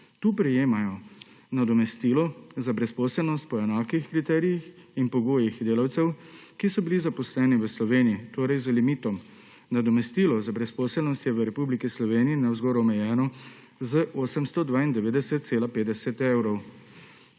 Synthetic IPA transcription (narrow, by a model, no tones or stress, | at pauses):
t̪uːpɾɛjeːmajɔ | nad̪ɔmɛst̪ilɔzabɾɛspɔːsəlnɔst̪̚pɔɛnaːkixkɾit̪ɛːɾijixinpɔɡoːjixd̪eːlawt̪sɛwkisɔbilizapɔslɛːniʋəslɔʋeːnijit̪oːɾɛjzəlimit̪ɔm | nad̪ɔmɛst̪iːlɔzabɾɛspɔːsəlnɔst̪jɛʋəɾɛpublikislɔʋeːnijinawzɡɔːɾɔɔmɛjɛːnɔ | zəʔoːsɛmst̪ɔd̪ʋaːind̪ɛʋeːd̪ɛsɛt̪̚t̪seːlapeːd̪ɛsɛt̪ewɾɔw